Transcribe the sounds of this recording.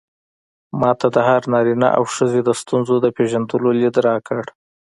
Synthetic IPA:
mɑt̪ʰad̪əɦaɾnɑɾina̰ʔa̰wʃəzed̪əst̪unzod̪əpeʒand̪əlolid̪ɾɑkʰəɽ

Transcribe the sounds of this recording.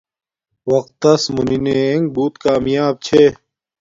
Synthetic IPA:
wɐq̚t̪ːɐsmunineeŋɡ̚buːt̪kaːmjaːb̚t͡ɕʰe

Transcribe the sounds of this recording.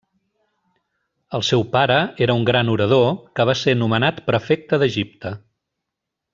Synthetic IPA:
əlˠsɛwpaɾəeɾəuŋɡɾanuɾəð̞okəβ̞asenumənat̪pɾəfek̚t̪əðəʒip̚t̪ə

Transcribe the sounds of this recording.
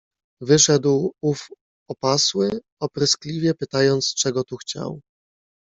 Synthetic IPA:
vɘʂɛd̪wuf | ɔpaswɘ | ɔpɾɪsklʲivʲjɛpɘt̪ajɔnt̪st͡ʂɛɡɔt̪uxt͡ɕa̰w

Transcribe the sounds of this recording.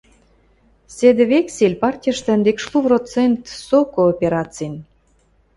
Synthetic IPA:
sed̪ĕβekselʲpɑrtʲijəʃt̪ə̆nd̪ekʃluvrot͡sent̪sokoːpʲeɾɑt͡sin

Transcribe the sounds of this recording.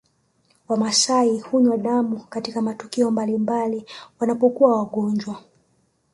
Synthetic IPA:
wamasaihuɲwaɗamukatikamatukiɔmbalimbaliwanapɔkuwawaɠɔɲd͡ʒwa

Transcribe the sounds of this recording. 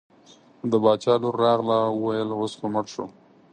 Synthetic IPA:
d̪əbɑt͡ʃɑloɾːɑɣlawəwajəlwosxomaʈʃo̰

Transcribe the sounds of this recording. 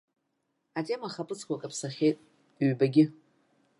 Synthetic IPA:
atʼemaχapʼɨt͡sʰkʷʰakʼapʰsaχʲejtʼ | ɥbaɡʲɪ

